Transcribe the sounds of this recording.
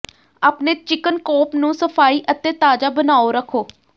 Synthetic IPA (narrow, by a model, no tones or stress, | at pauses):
aːpneːt͡ʃɪkənkɔːpnũːsəpʰaːiːʔət̪ẽːt̪aːd͡ʒaːbənaːoːɾəkʰːoː